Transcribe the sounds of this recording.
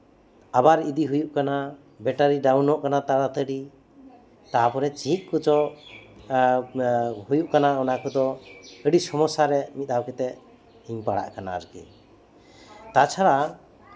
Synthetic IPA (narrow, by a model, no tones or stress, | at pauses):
abaɾid̪iɦujuʔkana | bɛʈaɾiɖawnɔʔkanat̪aɽat̪əɖi | t̪apɔɾɛt͡ʃit̪̚ˀkut͡ʃɔ | hujuʔkanaɔnakɔd̪ɔəɖisɔmɔsaɾɛmit̪̚ˀd̪awkɛt̪ɛʔ | iɲpaɽa̰ʔkana̰ɾkɛ̰ | t̪at͡ʃʰaɾa